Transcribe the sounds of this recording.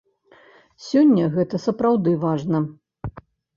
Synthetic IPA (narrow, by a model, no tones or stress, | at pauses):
sʲɔnʲːɐɣɛt̪ɐsɐpɾawd̪ɨvaʐnɐ